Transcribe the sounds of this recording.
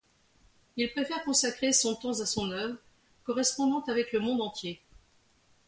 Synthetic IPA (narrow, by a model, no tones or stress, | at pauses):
ilpøfɛʁkɔ̃sakχesɔ̃t̪ɑ̃zasɔ̃nœvʁ | kɔʁɛspɔ̃d̪ɑ̃t̪avɛkləmɔ̃d̪ɑ̃t̪je